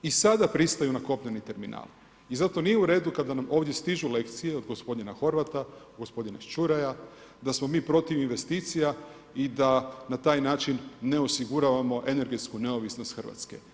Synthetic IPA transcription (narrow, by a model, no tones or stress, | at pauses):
isad̪apɾist̪ajunako̞pɲanit̪e̞ɾmina̰ːl | izat̪o̞nijeuɾe̞ːd̪ukad̪anamo̞ːʋd̪jest̪iʒule̞kt̪sije̞o̞d̪ɡo̞spo̞d̪ninaxo̞ɾʋat̪a | ɡo̞spo̞d̪ina̰ʃt͡ʃuɾaja | d̪asmo̞miːpɾo̞t̪iʋinʋe̞st̪iːt̪sija | id̪anat̪aːjnaːt͡ʃinːe̞osiɡuɾaʋamo̞ʔe̞ne̞ɾɡe̞t̪skune̞o̞ʋisno̞st̪xərʋa̰t̪ske̞̰